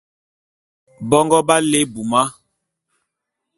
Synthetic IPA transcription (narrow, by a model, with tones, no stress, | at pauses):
bɔ˦ŋɡɔ˦ba˦le˦bu˨ma˦